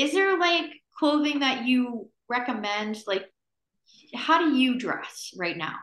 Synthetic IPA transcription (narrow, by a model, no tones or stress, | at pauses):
ɨzðə˞laɪkʰl̥oʊðɪ̃ŋðɨt͡ʃɨ | ɹɛkəmɛ̃ndlaɪk̚ | haʊɾɨjɨdɹɛ̰sɹaɪt̚ⁿna̰ʊ